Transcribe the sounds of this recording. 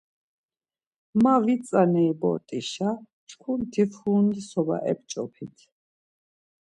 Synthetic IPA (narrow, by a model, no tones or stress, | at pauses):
mavit̪t͡sʼanɛːbɔ̰t̪ʼiʃa | t͡ʃʰkʰunt̪ʰifuːnd̪isɔba̰ʔɛ̰p̚t͡ʃʼɔ̰pʰit̪ʰ